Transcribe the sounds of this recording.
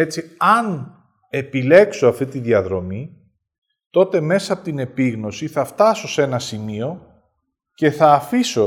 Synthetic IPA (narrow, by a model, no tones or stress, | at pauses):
e̞t͡siɐn | e̞pile̞kso̞ɐft̪it̪iðiɐðɾo̞mi | t̪o̞t̪e̞me̞sɐːpo̞t̪ine̞piɣno̞siθɐft̪ɐso̞se̞nɐsimio̞ | ce̞θɐːfiso̞